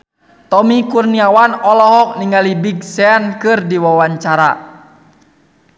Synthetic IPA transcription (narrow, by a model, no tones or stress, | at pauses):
t̪ɔmikurniawanɔlɔɦɔk̚niŋalibiɡ̚sɛankɨrdiwawaɲt͡ʃaɾa̰